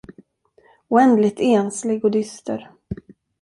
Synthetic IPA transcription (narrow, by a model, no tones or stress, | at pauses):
ʊɛnd̪lɪt̪eːnslɪɡɔd̪ʏst̪ə̰ɾ